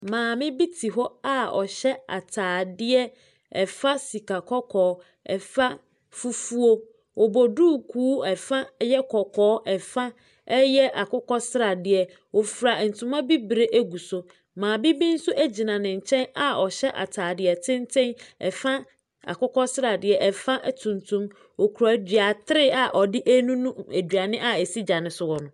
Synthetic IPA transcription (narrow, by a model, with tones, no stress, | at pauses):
mãː˨mɪ̃˦bi˦tʰi˨ɦɔ˦a˨ɔ̰˨ɕɛ˦a̰˨tʰaː˨dɪ˦ɛ˦ | ɛ˨fa˦si˨kʰa˨kʰɔ˦kʰɔː˨˦ | ɛ̰˨fa˦ | fu˦fu˦o˦ | wɔ˨bɔ˨duː˦˨kʰuː˦ɛ˨fa˦jɛ˦kʰɔ˨kʰɔː˨˦ʔɛ˨fa˦ | ɛ˦jɛ˦ʔa˨kʊ˦kɔ˦sɪ˦ɾa˨dɪ˦ɛ˨ | wo˨fɾa˨n̩˨tʰʊ̃˦mã˦bi˦bɾe˦ʔæ˦ɡu˨sʊ˨ | mãː˨bi˦bi˦n̩˦sʊ˦ʔæ˦d͡ʑi˨nã˨nɪ̃˨ɲ̩˨t͡ɕʰɛ̃˦na˨ɔ˨ɕɛ˦ʔa̰˨tʰaː˨dɪ˨ɛ˨tʰɪ̃˦n˦tʰɪ̃˦nɛ̰˨fã˦ | a̰˨kʊ˦kɔ˦sɾa˨dɪ˨ɛ˨ʔɛ˨fã˦ʔtʰũ˨ntʰũ˦m | ɔ˨kʰu˨ɾæ˨dɥa˨tʰɪ˦ɾɪ˦a˨ʔɔ˨dɪ˦ʔæ˦nũ˦nũ˦æ˨dɥa˨nɪ̃˦ʔa˦ɛ˨si˦d͡ʑa˨nɪ̃˨sʊ˨wɔ˨nʊ̃˨